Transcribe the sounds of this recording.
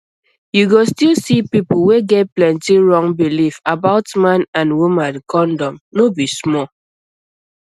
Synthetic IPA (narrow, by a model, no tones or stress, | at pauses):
juɡostilsipipuweɡɛt̚plɛ̃ntiɹɔ̃ŋbilifabaʊtmãnãnwumãnkʰɔ̃ndɔ̃mnobismɔ